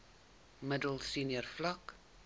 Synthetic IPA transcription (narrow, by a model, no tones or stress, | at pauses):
mədəlˠsiniərflɐk